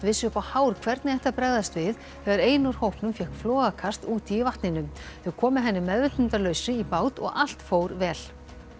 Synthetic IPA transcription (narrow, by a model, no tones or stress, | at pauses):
t̪vɪsʏpahaːwɾ̥kʰvɛɾt̪nɪɛht̪apɾɛjðast̪vɪð | θɛɣaɾeːjnʊɾ̥howhpnʏmfjɛhkflɔːɣakʰast̪uːt̪iːvaht̪nɪnʏmθʏɣkʰɔːmʏɦɛnːɪmɛðvʏt̪ʏnt̪aɾlœːɥsɪipaːwt̪ɔ̰ɣal̥t̪foːwɾvɛːl